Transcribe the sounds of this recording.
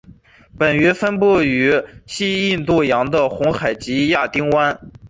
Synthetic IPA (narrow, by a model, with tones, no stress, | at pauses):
pə˨˩nɥɛ˧˥fə˥npu˥˩y˧˥ɕi˥i˥˧nt̪u˥˩jɑ˧˥ŋd̪ə˧xʊ˧˥ŋxa˨˩ɪt͡ɕi˧˥ja˥˩t̪i˥ŋwa˥n